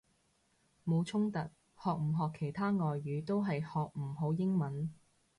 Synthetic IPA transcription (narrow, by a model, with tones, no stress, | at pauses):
mo˨˧wt͡ʃʰʊ˥ŋt̪ɐ˨t̚ | hɔː˨k̚m̩˨˩ɦɔː˨kʰe˨˩jt̪ʰaː˥ŋɔː˨jːyː˨˧˥t̪o˥wɦɐ˨jhɔː˨k̚m̩˨˩ɦo˨˥wjɪ˥ŋmɐ˨˥n